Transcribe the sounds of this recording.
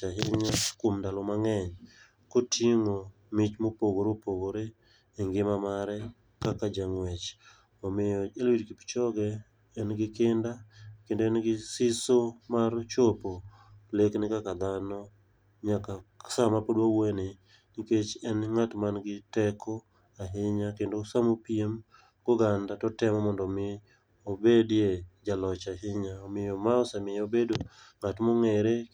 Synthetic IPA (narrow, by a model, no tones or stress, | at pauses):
aɦɪɲakomndalɔmaŋɛɲ | kotʰjeŋo | mɪt͡ʃmopoɡoɾopoɡoɾe | eŋɡɪmamaɾɛ | kakad͡ʒaŋwɛt͡ʃ | ɔmɪjɔelwidkipi̥t͡ʃɔɡɛː | nɡɪkɪndakendoɛnɡɪsɪsomart͡ʃopo | leknɪkakad̪anɔ | ɲakasamapodwawene | niket͡ʃɛnŋatmanɡɪtɛkʰɔ | aɦɪɲakendosamopiem | ɡ̥ʊɡandatɔtɛmɔmɔndɔmɪ | obedjed͡ʒalɔt͡ʃaɦɪɲaomɪjɔmaɔsamɪjobedoŋatmoŋɛɾe